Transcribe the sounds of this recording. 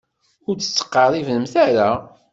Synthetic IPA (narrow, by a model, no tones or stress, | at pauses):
ʊɾt͡sːə̥t͡sːə̥qːɑɾˤivləmθæɾa